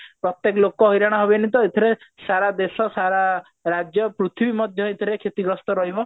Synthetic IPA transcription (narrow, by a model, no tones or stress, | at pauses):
pɾɔt̪jekɔlokɔɦjɾaɽ̃aɦɔbenit̪ɔet̪ʰiɾesaɾad̪esɔsaɾa | ɾad͡ʒjɔpɾut̪ʰibimɔd̪ʱjɔet̪ʰiɾekʰet̪iɡɾɔst̪ɔɾɔɦibɔ